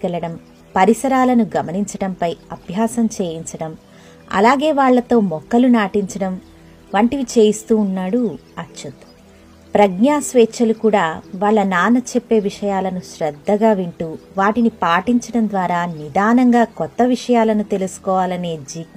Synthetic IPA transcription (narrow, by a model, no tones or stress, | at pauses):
kɛlɐɽɐm | pɐɾisɐɾaːlɐnuɡɐmɐniɲt͡ʃɐɽɐmpɐjɐbʱjaːsɐmt͡ʃe̞ːjiɲt͡ʃɐɽɐm | ɐ̰laːɡe̞ːʋaːɭːɐt̪o̞ːmɔkːɐlunaːʈiɲt͡ʃɐɽɐm | ʋɐɳʈiʋit͡ʃe̞ːjist̪uːnːaːɽuɐtːʃɐt̪u̥ | pɾɐɡɲaːsʋeːt͡ʃɐlukuːɽaːʋaːɭːɐnaːnɐt͡ʃepːe̞ːʋiʂɐjaːlɐnuʃɾɛd̪ʱːɐɡaːʋiɳʈuːʋaːʈinipaːʈiɲt͡ʃɐɽɐnd̪ʋaːɾaːnid̪aːnɐŋɡaːkɔt̪ːɐʋiʂɐjaːlɐnut̪e̞lusu̥kɔːʋaːlɐne̞ːd͡ʒiːk